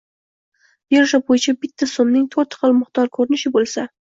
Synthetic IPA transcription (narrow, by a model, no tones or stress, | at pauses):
beɾʃabojɪt͡ʃʰabɪt̪ʰːasomnɪŋt̪ʰoɾt̪ʰqɨlˠmʊχt̪ɒɾkʰɵɾɪnɪʃɪbolˠsa